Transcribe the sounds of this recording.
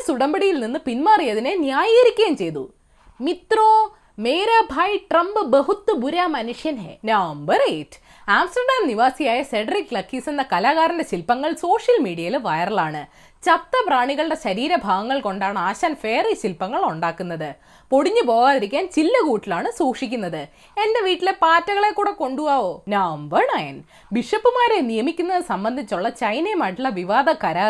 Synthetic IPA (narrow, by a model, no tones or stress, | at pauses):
suɽɐmbɐɽijilninːɨpinmaːrijɐðinenjaːjiɾikʲːeːmt͡ɕe̞jt̪ṵ | mit̪roː | meːɾaːbʱaːjʈrɐmbɨbeɦut̪ːɐbuɾaːmɐnuʂjɐnenaːmbɐreʈː | aːmsʈɐrɖaːmniʋaːsijaːjɐse̞ɖɐrikːlɐkːisɐnːɐkɐlaːɣaːɾɐndeɕilpɐŋːɐɭso̞ːʂjɐlmiːɽijɐjilʋɐjɐrɐɭaːɳɨ | t͡ɕɐp̚t̪ːɐpraːɳiɣɐɭɨɽe̞ɕɐɾiːɾɐbʱaːɣɐŋːɐɭko̞ɳɖaːɳɨaːɕaːnfe̞ːriɕilpɐŋːɐɭuɳɖaːkːunːɐðɨ | po̞ɽiɲːɨpo̞ːɣaːðiɾikʲːaːnt͡ɕilːɐkuːʈːilaːɳɨsuːkʂikʲːunːɐðɨ | e̞nde̞ʋiːʈːile̞paːtːɐɣɐɭe̞kːuːɽeko̞ɳɖuɣaːʋoːnaːmʋɐɳɐjɐn | biʂɐpːɨmaːɾe̞nijɐmikʲːunːɐðɨsɐmbɐnd̪ʱit͡ɕːuɭːɐt͡ɕɐjnemaːʈːiɭːɐʋiʋaːd̪ʱɐkɐlaː